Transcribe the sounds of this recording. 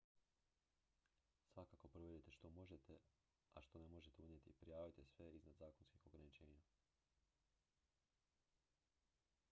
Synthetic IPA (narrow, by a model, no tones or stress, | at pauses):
sʋakako̞pɾoʋed̪et̪eʃt̪o̞mo̞ʒet̪e | a̰ʃt̪o̞nemo̞ʒet̪eunjet̪ipɾijaːʋit̪esʋe̞iznad̪zaːko̞nskixo̞ɡɾanit͡ʃe̞ːɲa